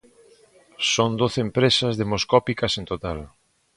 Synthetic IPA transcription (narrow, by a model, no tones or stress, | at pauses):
sond̪oθeːmpɾesɐzðemoskɔpikɐsent̪ot̪al